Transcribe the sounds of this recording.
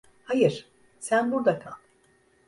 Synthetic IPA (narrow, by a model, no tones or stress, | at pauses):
hajɯɾ̥ | sænbuɾd̪akʰalˠ